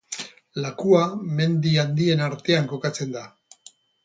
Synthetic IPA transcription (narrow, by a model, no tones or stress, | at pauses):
lakuame̞nd̪iand̪ie̞naɾt̪e̞aŋko̞kat͡se̞nd̪a